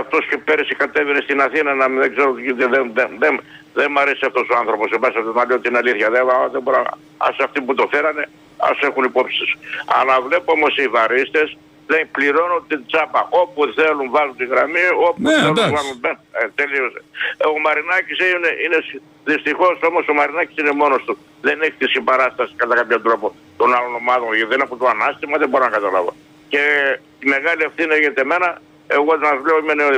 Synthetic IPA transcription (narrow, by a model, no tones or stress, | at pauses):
ɐft̪o̞scepeɾisikɐt̪evenest̪inɐθinɐnɐmðeɡzeɾoitiðenðeðe | ðemɐɾesiɐft̪o̞soanθɾo̞po̞sebɐsiɐft̪onɐleo̞t̪iinɐliθçɐðevaɐðeboɾɐ | ɐ̰sɐft̪iput̪o̞feɾɐne̞ | ɐ̰se̞xunipo̞psisɐ̰lɐvle̞pomosiivɐɾist̪e̞s | ðepliɾo̞nunt̪ind͡zɐpɐʔo̞puθe̞lunvɐlunt̪iɣɾɐmio̞puelunvɐlunbent̪e̞liosomɐɾinɐcisineines | ðist̪ixo̞so̞mo̞somɐɾinɐci̥sinemo̞nost̪u | ðe̞neçi̥t̪isimbɐɾɐst̪ɐsi̥kɐt̪ɐkɐpçont̪ɾo̞po̞ | t̪o̞nalo̞no̞mɐðonʝeðenɐpot̪oanɐst̪imɐðeboɾonɐkɐt̪ɐlɐ̰vo̞̰ | ce̞ | t̪ime̞ɣɐlie̞fθinieçet̪eme̞nɐ | e̞ɣonɐvleoimene